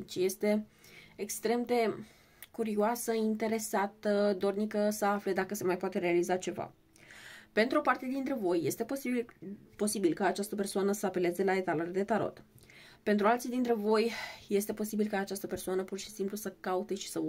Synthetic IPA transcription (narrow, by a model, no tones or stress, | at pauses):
t͡ʃje̞st̪e̞ | ekst̪ɾe̞md̪e̞ | kuɾioasəint̪e̞ɾe̞sat̪əd̪o̞rnikəsəafle̞d̪akəse̞majpoat̪e̞ɾe̞alizat͡ʃe̞va̰ | pe̞nt̪ɾuo̞part̪ed̪int̪ɾe̞vo̞jːe̞st̪e | po̞sibilkaːt͡ʃast̪əp̬ersoanəsəape̞lezd̪elaet̪aloɾed̪e̞t̪aɾo̰t̪pe̞nt̪ɾualt̪sijd̪int̪ɾe̞vo̞jje̞st̪e̞po̞sibilkaːt͡ʃast̪əpersoanəpurʃi̥simplusəkaut̪e̞ʃi̥sə